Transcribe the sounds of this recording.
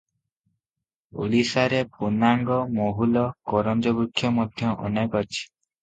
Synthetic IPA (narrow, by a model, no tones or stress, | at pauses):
ṵlisaɾepunaŋɡɔmoɦulɔkɔɾɔnd͡ʒɔbukʰːjɔmɔd̪ʱjɔʔɔ̰nɔkɔt͡ʃʰi̥